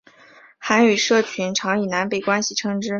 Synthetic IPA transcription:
xa˧˥ny˨˩ʂɤ˥˩t͡ɕʰy˧˥nʈ͡ʂʰɑ˧˥ŋi˨˩na˧˥npe˥˩ɪkwa˥nɕi˨˩ʈ͡ʂʰɤ˧˥ŋʈ͡ʂɻ̩˥

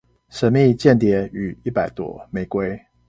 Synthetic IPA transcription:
ʂə˧˥nmi˥˧t͡ɕjɛ˥˩nt̪jɛ˧˥y˨˩i˥˩pa˨˩ɪt̪wɔ̰˦me˧˥ɪkwe˥ɪ

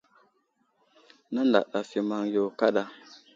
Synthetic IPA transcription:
na˦nda̰˨ɗa˨fi˨ma˦ŋjo˨ka˦ɗa˦

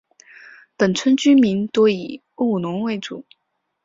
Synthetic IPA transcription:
pə˨˩nt͡sʰwə˥nt͡ɕy˥nmi˧˥nt̪o˥i˨˩ | u˥˩nʊ˧˥ŋwe˥˩ɪʈ͡ʂṵ˨˩˦

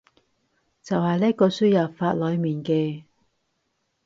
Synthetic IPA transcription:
t͡sɐ˨whɐ˨jliː˥kːɔː˧syː˥jɐː˨˩faː˧t̚lɔː˨˧jmiː˨˩nkɛː˧

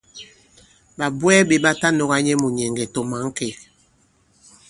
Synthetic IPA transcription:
ɓa˨bwɛ˦ɓe˨ɓa˦ta˦no˨ɣa˦ɲɛ˦mu˨ɲɛ˨ŋɡɛ˨to˨ma˨˦ŋ̩˦kɛ˨

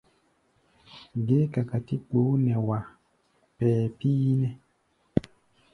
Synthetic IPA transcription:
ɡe˦ka˨ka˨ti˦k͡po˨˦nɛ˨wa˨ | pɛː˨pi˦nɛ˦

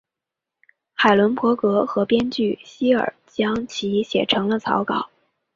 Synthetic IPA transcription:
xa˨˩ɪlwə˧˥npʰwɔ˧˥kɤ˧˥xɤ˧˥pjɛ˥nt͡ɕy˥˩ɕi˥ə̰˞˨˩t͡ɕjɑ˥ŋt͡ɕʰi˧˥ɕjɛ̰˨˩ʈ͡ʂʰɤ˧˥ŋlə˧t͡sʰɑ̰˧˥ʊkɑ˨˩˦ʊ

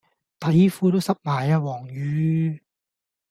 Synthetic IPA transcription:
t̪ɐ˨˥jfuː˧˥t̪o˥wsɐ˥p̚maː˨˩jaː˧wɔː˨˩ŋjyː˨˧˥

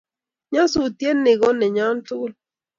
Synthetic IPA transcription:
ɲa˦su˨t̪je˦nːɪ˨ɣɔ˦nɛ˨ɲa˦n˦tu˦l

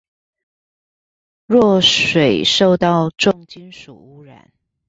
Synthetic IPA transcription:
ɻɔ˥˩ʂwe˨˩ɪʂo˥˧ʊt̪ɑ˥˧ʊʈ͡ʂʊ˥˩ŋt͡ɕi˥nʂṵ˨˩u˥ɻa̰˨˩˦n

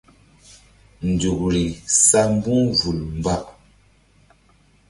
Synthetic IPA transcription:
n̩˨du˨k̚ɾi˨sa˦m˦bu˦vu˨lm̩˨ba˦˨ʔ

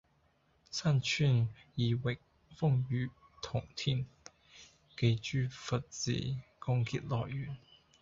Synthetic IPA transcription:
sʰa˥˨nt͡ɕʰy˥˨ni˨˩wɪ˨˩k̚ | fʊ˥˧ŋy˨˥ | t̪ʰʊ˨˩ŋt̪ʰi˥˨n | ke˧˩jt͡ɕy˥fə˨t̚t͡sḭ˨˩kʊ˥ŋki˥t̚lɔ̰˨˩y˨˩˦n

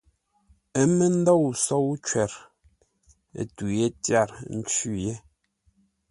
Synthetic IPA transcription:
e˦me˦n̩˦dɔ˦˨wsɔ˦wt͡ʃwɛ˨ɾ | ḛ˨tu˨je˦tja˦˨ɾn̩˦t͡ʃʉ˦je˦

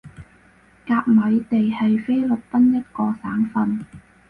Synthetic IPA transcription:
kaː˧k̚mɐ˨˧jt̪e˨jhɐ˨jfe˥jlɵ˨˩t̚p̪ɐ˥njɐ˥t̚kɔː˧saː˨˥ŋfɐ˧n

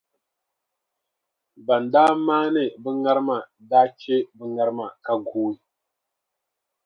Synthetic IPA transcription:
ba˨ndaː˦maː˦nɨ˦˨bɨ˦ŋa˦ɾɨ˦ma˨daː˦t͡ʃe˦bɨ˦ŋa˦ɾɨ˦ma˨ka˨ɡuː˦i˨

